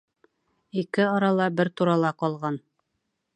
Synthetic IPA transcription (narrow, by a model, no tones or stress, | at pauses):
ikɘɒɾɑlˠɑbɘɾt̪uɾɑlˠɑqɒlˠʁɑn